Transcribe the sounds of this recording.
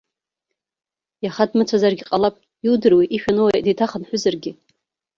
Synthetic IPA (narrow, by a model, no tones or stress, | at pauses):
jaχadmɨt͡sʷʰazarɡʲiqʼalapʼ | iwdɨrwiʔiʃᶣanɨwajdetʰaχənħʷʊzarɡʲɪ